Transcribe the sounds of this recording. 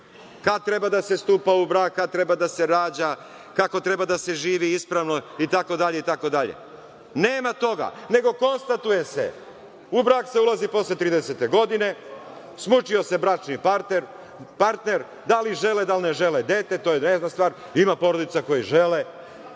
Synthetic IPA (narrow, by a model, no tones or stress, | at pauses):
kad̪̚t̪ɾe̞bad̪ase̞st̪uːpaubɾaːkkːad̪̚t̪ɾe̞bad̪ase̞ɾaːd͡ʑa | kako̞t̪ɾe̞bad̪ase̞ʒiːʋiispɾaʋno̞it̪ako̞d̪aʎe̞it̪ako̞d̪aʎḛ | neːmat̪o̞ɡa̰ne̞ɡo̞ko̞nst̪at̪uje̞se̞̰ | ubɾaːkseulˠazipo̞slˠet̪ɾiːd̪eset̪e̞ɡo̞d̪ine̞ | smut͡ʃio̞se̞bɾat͡ʃnipaɾt̪neɾ | paɾt̪neɾ | d̪aliʒe̞led̪alˠneʒe̞led̪et̪e̞t̪oːjeneznast̪ʋaːɾ | imapo̞ɾo̞d̪it̪sako̞jiʒele